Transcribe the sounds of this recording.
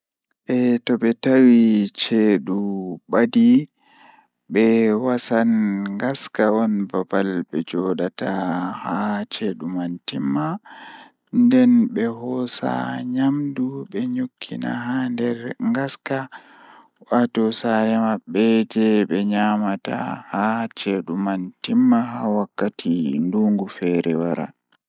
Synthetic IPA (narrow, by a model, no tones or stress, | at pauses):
ʔɛtɔɓɛtawit͡ʃeɗuɓadi | ɓɛwasanŋɡaskaɔnbabalɓɛd͡ʒɔɗatahat͡ʃeɗumantimːa | ndɛnɓɛhɔsa̰ɲamduɓɛɲokʰːina̰handɛɾŋɡaska | watɔsaɾɛmaɓːɛd͡ʒɛɓɛɲamata̰hat͡ʃeɗumantimːaɦawakːatʰinduŋɡufɛɾɛwaɾa̰